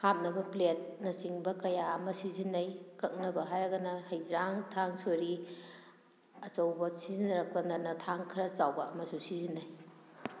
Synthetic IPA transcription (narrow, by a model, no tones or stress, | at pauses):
hap̚nɐbɐplet̚nɐsiŋbɐkɐjaɐmɐsizinːɐjkɐk̚nɐbɐɦajɾɐɡɐnɐhɐjɾaŋtʰaŋsoɾi | ɐt͡ʃɐwbɐsizinɐɾɐk̚lɐnɐnɐtʰaŋkʰɾɐt͡ʃawbɐɐmɐsusizinaj